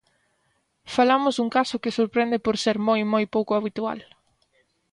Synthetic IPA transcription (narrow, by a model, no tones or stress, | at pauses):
falamʊzðuŋkasʊkɪsoɾpɾɛnd̪ɪpoɾseɾmojmojpowkʊaβit̪ua̰l